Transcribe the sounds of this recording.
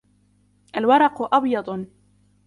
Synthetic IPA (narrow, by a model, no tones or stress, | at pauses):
ʔalwɑɾˤɑqʊʔɑbjɑd̪ˤ